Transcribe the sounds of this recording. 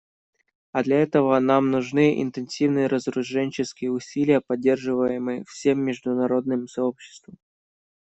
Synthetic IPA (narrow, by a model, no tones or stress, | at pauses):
ɐd̪lʲɐɛt̪əvənamnʊʐnɨʔɪ̰nt̪ɨnsʲivnɨjəɾəzɾʊʐɛnʲt͡ɕɪskʲɪjəʊsʲilʲɪjəpɐdʲːe̞rʐɨvəjɪmɨjfsʲemːʲɪʐd̪ʊnɐɾo̞d̪̚nɨmsɐo̞pɕːɪ̥st̪vəm